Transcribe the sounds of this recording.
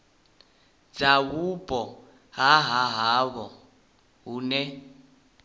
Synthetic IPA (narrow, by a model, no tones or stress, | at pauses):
d͡z̥ak̬ub̥ʼʱɔ | ɦaɦaɦaβɔ | ɦuːnɛ